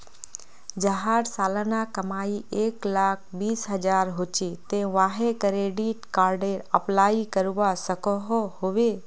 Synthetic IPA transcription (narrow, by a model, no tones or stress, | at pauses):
d͡ʒəɦaːɾsaːlnakəmaːiʔeːklaːk̚ʰbiːsɦəd͡ʒaːɾɦot͡ʃet̪ẽʋaːɦekəɾeːɖiʈkaːɾɖeːɾəplaːikəɾuʋasəkɔɦohoʋe